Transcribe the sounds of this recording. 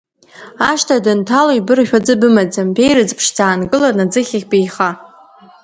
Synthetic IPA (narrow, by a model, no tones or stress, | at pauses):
aʃtʰadɨntʰalojbɨrʃᶣad͡zɨbɨmad͡zambe̞jɾɨd͡zpʰʂd͡zaːnɡɨlanad͡zɨχʲaχʲbejχa